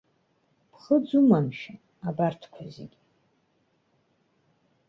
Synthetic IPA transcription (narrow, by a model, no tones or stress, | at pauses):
pʰχəd͡zumamʃa | abartʰkʷʰazḛɡʲ